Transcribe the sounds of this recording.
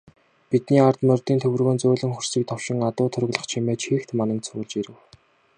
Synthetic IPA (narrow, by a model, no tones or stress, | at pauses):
pit̪niːart̪mœrʲt̪iːnt̪ʰɵwɘ̆rɣoːnt͡sʊːɮɘ̆ŋxɵr̥siːk̚t̪ʰɔwʃɪ̆ŋat̪ʊːt̪ʰɵɾɵ̆ɣɮə̆χt͡ɕʰimeːt͡ɕxiːxt̪manə̆kt͡sʰʊːɮt͡ɕiɾɘ̆w